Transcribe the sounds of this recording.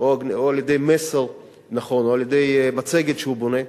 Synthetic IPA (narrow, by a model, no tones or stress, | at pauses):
ooaljed̪ejmeseʁ | naχo̞noaljed̪ejmat͡seɡet̪ʃehubone